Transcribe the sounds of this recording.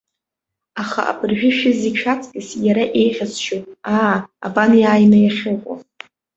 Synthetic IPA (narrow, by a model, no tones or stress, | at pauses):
aχa̰ʔa̰bʰʼɨrʒᶣɪʃᶣɪziʃʰat͡sʼkʲʼɪsjaɾaʔe̞jχʲazʃotʼaːabanjaːjmajaχʲɨqʷʼa̰